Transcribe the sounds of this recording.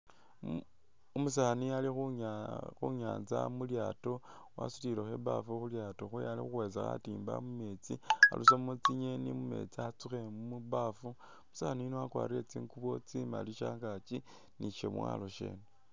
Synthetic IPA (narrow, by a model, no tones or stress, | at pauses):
omusanialixuxuɲaːnzamuljaːto̞ | wa̰su̥tilexeba̰fuxuljato̞xujalḭxuwe̞zaxa̰tiːmba̰mume̞t͡sḭa̰lʔusomut͡siɲenimume̞̰t͡siat͡suxe̞mumubafu | musaninowakwa̰ːɾiɾet͡siːŋkuβo̞t͡sima̰liʃaːŋɡat͡ʃi | niʃḛmwa̰lo̞ʃḛːne